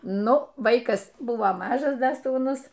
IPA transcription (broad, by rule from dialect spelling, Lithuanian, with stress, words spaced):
ˈnʊ ˈʋɐɪkɐs ˈbʊʋoː ˈmɑːʒɐs ˈdɐ suːˈnʊs